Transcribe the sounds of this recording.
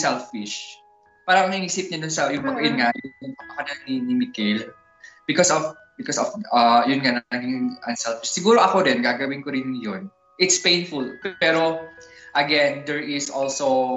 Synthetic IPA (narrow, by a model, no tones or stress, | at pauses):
sɛlfɪʃ | paːɾɐŋnɐiŋiːsɪp̚ɲɐd̪ʊnsɐjʊŋɐɡɐjʊnŋajʊʊŋpɐɐkɐnɐnɪnɪmɪkɪl | bɪkɔsɔf | bɪkɔsɔfɐjʊnŋannɐɡɪŋʔɐnsɛlfɪʃsɪɡuːɾoʔɐkoɾɛnɡaːɡɐwɪnkoɾɪnjon | ʔɪt̪spejnfʊlpɛɾoʔɐɡɛnd̪ɛɹʔɪsʔɔlsow